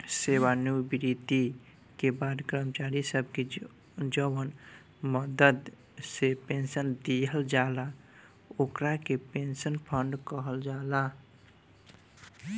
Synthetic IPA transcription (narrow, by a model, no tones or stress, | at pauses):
sewanjubiɾit̪i | kebad̪kɾəmt͡ʃaɾisəb̚ke | d͡ʒəwən | məd̪əd̪ | sepensənd̪iɦəld͡ʒala | okɾakepensənpʰəɳɖkəɦəld͡ʒala